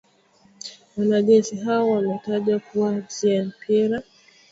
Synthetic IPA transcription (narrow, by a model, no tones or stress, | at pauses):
wanaʄɛnsiɦaɔwamɛtaʄakuwaziam̩pʰiɾa